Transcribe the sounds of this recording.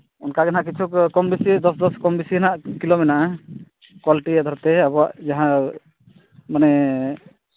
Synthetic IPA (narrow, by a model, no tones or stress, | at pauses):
ɔnkaɡɛnãʔk̬it͡ʃʰukkɔmbisid̪ɔsd̪ɔskɔmbisiɡɛnaʔkilomɛnaʔa | kwaliʈiɛd̪ʱɔɾt̪ɛabɔaʔd͡ʒaɦã | manɛ